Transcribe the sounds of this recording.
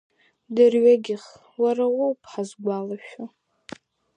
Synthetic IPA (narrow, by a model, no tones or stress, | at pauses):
dɨrɥaɡʲɪχ | waɾawowpʰʼħazɡʷalaʃᶣa